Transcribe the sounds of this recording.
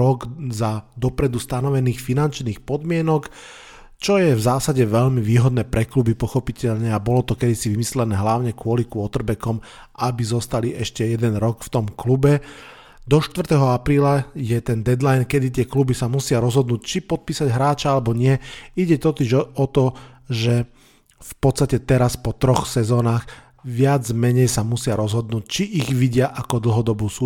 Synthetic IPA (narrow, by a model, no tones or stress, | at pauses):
ɔɡzad̪ɔpɾɛd̪ust̪anɔʋɛniːxfinant͡ʃniːxpɔd̪mɪɛnɔk | t͡ʃɔjɛvzaːsaɟɛʋɛʎmiʋiːɦɔd̪̚nɛːpɾɛklubipɔxɔpicɛʎɲɛabɔlɔt̪ɔkɛd̪isiʋimislɛnɛːɦlaʊɲɛkʊɔlikʊɔt̪rbɛkɔm | ʔabizɔst̪aliʔɛʃcɛjɛd̪ɛnɾɔkft̪ɔmklubɛ | d̪ɔʃt̪ʋr̩t̪ɛɦɔapɾiːlajɛt̪ɛnd̪ɛd̪lajnkɛd̪it̪ɪɛklubisamusɪaɾɔzɦɔd̪nuːct͡ʃipɔt̪̚piːsaɟɦɾaːt͡ʃaalɛbɔɲɪɛiɟɛt̪ɔt̪iʒɔt̪ɔʒɛ | fpɔt̪t͡sst̪acɛt̪ɛɾaspɔt̪ɾɔxsɛzɔːnaːx | ʋɪad͡zmɛɲɛjsamusɪaɾɔzɦɔd̪̚nuːc̚t͡ʃiʔːɣʋiɟɪaʔakɔd̪l̩ˠɦɔd̪ɔbuːsuː